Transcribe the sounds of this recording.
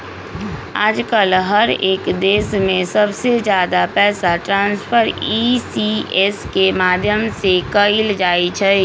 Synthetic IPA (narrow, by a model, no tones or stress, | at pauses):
a̰ːd͡ʒkəlɦəɾeːkd̪eːsmẽsəbsed͡ʒjaːd̪apɛːsaʈɾãːnspʰəɾisieskemaːd̪ʱjəmsekəild͡ʒaːit͡ʃʰɛ